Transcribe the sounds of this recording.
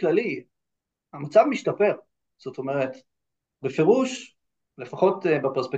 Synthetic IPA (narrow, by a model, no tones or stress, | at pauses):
klali | amat͡savmiʃtape̞ʁ | z̥ot̪o̞me̞ʁet̪ | befeʁuʃ | le̞faχo̞tbepeʁspek̚